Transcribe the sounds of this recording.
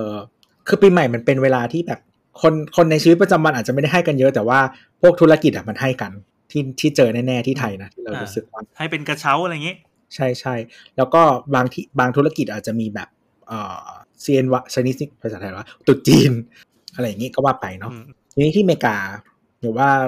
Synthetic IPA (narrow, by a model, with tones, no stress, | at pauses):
ʔɤː˧ | kʰɯː˧piː˧ma˨˩jma˧npe˧nweː˧laː˧t̪ʰiː˥˩bɛː˨˩p̚ | kʰo˧nkʰo˧nːa˧jʰt͡ɕi˧˦˥t̪̚pa˧t͡ɕa˧mwa˧nʔːt̪̚t͡ɕa˨˩m˥˩da˥˩ɦa˥˩jka˧njɤ˦˥t̪ɛː˨˩waː˥˩ | pʰu˥˩k̚t̪ʰla˧ki˨˩t̪̚ʔa˨˩ma˧nha˥˩jka˧n | t̪ʰiː˥˩t̪ʰiː˥˩t͡ɕɤː˧nɛː˥˩nɛː˥˩t̪ʰiː˥˩t̪ʰa˧jna˦˥t̪ʰiː˥ɾa˧wɾuː˦˥sɯ˨˩k̚wa˧˥˩a˥˩jpe˧nka˧t͡ɕʰa˦˥wʔa˧ɾa˧jŋi˦˥ | t͡ɕʰa˥˩jt͡ɕʰa˥˩jlɛː˦˥wkɔː˥˩waː˧ŋt̪ʰi˧˥˩baː˧ŋt̪ʰu˦˥la˧ki˨˩ʔaː˨˩t͡ɕa˨˩miː˧bɛː˨˩p̚ | ʔɤː˨˩siː˧ʔe˧nwa˧˥sa˧jniː˦˥si˥˩pʰːsa˨˩t̪ʰa˧jwa˥˩t̪u˨˩t̪̚t͡ɕiː˧n | ʔa˧ɾa˧jːŋi˦˥kɔː˥˩waː˥˩pa˧jnɔ˦˥ | t͡ɕʰi˧niː˦˥t̪ʰiː˥˩meː˧kaː˧ | bɛː˨˩waː˥˩